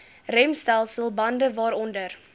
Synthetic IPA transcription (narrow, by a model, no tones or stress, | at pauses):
rɛmstælˠsəlˠbɐndəvɑːɾɔndər